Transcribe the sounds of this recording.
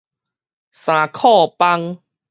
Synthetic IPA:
sã˨˩kʰɔ˥˧˨pa˧ŋ

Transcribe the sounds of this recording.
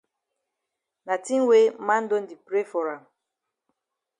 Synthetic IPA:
na˨ti˦n˦we˦mã˦n̩˦do˦n̩˦di˨pɾe˦fɔ˨ɾa˨m˨

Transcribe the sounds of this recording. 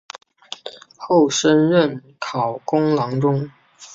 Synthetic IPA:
xo˥˩ʊʂə˥nɻə˥˨˩n | kʰɑ˨˩ʊkʊ˥ŋlɑ˧˥ŋʈ͡ʂʊ˥ŋ

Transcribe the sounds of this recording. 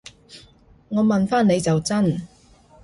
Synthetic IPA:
ŋɔː˨˧mɐ˨nfaː˥nːe˨˧jt͡sɐ˨wt͡sɐ˥n

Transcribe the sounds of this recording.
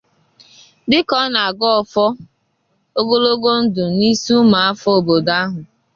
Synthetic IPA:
dɪ˦kɔ˦na˨ɡɔ˦ɔ˨fɔ˦ | o˦ɡo˦lo˦ɡo˦n̩˦dʊ˨ni˦su˦ma˨a˦fɔ˦o˨bo˨da˦ɦʊ˨

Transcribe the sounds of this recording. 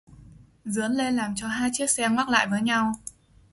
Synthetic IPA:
zɨ̰˧˨˥ənle˧nlaː˨˩mt͡ɕɔ˧ɦaː˧jt͡ɕi˦˥ək̚sɛ˧ŋwaː˦˥k̚la̰ː˧˨jvəː˨˦jɲa˧w

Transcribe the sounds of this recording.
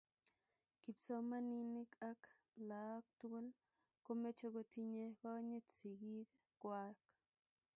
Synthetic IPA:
ki˨pso˦ma˦ni˦ni˦ka˦k | la˨˦k̚tu˦o˦l | ko˦me˦t͡ʃo˦ɡo˧t̪i˦ɲe˦kɔ˦ɲe˦t̪si˨ɡi˦k | kwa˦k

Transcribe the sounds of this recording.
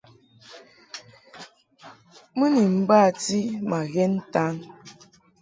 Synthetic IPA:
mɨ˦ni˨m̩˦ba˦˨ti˦ma˨ɣɛ˦n̩˦ta˦ŋ

